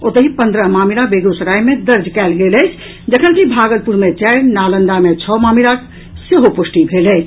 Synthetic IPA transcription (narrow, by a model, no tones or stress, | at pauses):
ot̪əɦipənd̪ɾəɦmamiɾabeɡosɾajmed̪əɾd͡ʒʱkɛlɡeləɪt͡ʃʰ | d͡ʒəkʰənkibʱaɡəlpuɾmet͡ʃaɪɾnalənd̪amet͡ʃʰɔmamiɾak | seɦopusʈibʱeləɪt͡ʃʰ